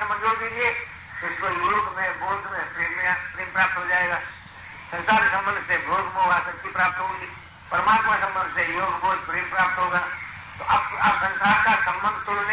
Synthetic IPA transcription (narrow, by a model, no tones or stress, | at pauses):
mɐ̃nd͡ʒuːɾd̪ẽd͡ʒie | ɪskojoːɡmẽboːd̪mẽpɾeːmapɾeːmpɾaːp̚t̪ɦod͡ʒaːeːɡaː | sɐɾkaːɾsɐ̃mbənd̪ʱsebʱoːɡmoːɡasɐtːʃipɾaːp̚t̪ɦoːɡiː | pəɾəmaːt̪masɐ̃mbə̃nd̪ʱsejoːɡboːd̪pɾeːmpɾaːp̚t̪ɦoːɡaː | t̪oʔapaːpsɐɾsaːɾkasɐ̃mbənd̪ʱt̪ʊɽnẽ